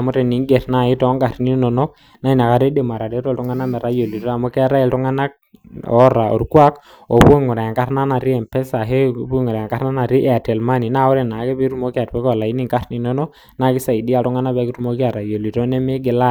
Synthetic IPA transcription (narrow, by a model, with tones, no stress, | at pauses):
a˨mu˦ɾɛ˨ni˨˦ŋɡɛ˨ɾna˦˨i˦tɔ˦ŋɡa˨ɾni˦nɔ˨nɔ˦ | na˦i˦˨na˨ka˦ɾe˦de˨ma˨ɾa˨de˦ɾɔ˦˨ltu˦ŋa˦na˦mɛ˨ɾa˦jo˨li˨tɔ˦a˨mu˦ki˦a˦ɾa˦ɛ˨ltu˦ŋa˦na˦k̚ | ɔ˦ɾa˨ɔ̰˨ɾkwa˦k | ɔ˨pu˦ŋu˨ɾa˨a˨ŋka˦ɾna˦na˨ɾi˦ɛ˨mpɛ˦sa˨ɦe˦bu˦ŋu˨ɾa˨a˨ŋka˦ɾna˦na˨ɾi˦ʔɛ˨a˨tɛ˨lma˦ni˨na˦u˦ɾɛ˨na˨˦kɛ˦bi˦ɾu˦mo˦ki˦a˨tpɛ˦kɔ˦˨la˨i˦ni˦˨ŋka˦ɾni˨nɔ˦nɔ˦ | na˦ki˦sa˨i˨di˦a˨ltu˦ŋa˦na˦bɛ˦ki˦ɾu˦mo˦ki˦a˨ɾa˨jo˨li˨tɔ˦nɛ˦mɪ˦ɡɪ˨la˦